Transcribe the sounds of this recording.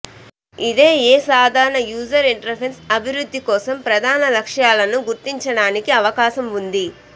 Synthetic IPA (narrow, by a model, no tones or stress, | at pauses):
id̪eːeːsaːd̪ʱaːɾɐɳɐjuːd͡ʒɐɾiɳʈɐɾpʰensɐbʱiɾud̪ʱːikɔːsɐmpɾɐd̪ʱaːnɐlɐkʂjaːlɐnuɡuɾt̪iɲt͡ʃɐɽaːnikiɐʋɐkaːʃɐmund̪i